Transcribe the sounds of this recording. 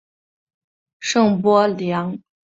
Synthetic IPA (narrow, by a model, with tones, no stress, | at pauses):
ʂɤ˥˩ŋpwɔ˥ljɑ˧˥ŋ